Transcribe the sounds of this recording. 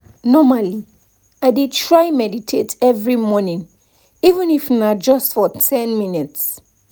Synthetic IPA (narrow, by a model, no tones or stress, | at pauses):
nɔmali | aɪdid̚tʰɹajmɛditʰetɛvɹimɔnĩŋ | ivə̃nifnad͡ʒʌstfɔtʰɛ̃nminits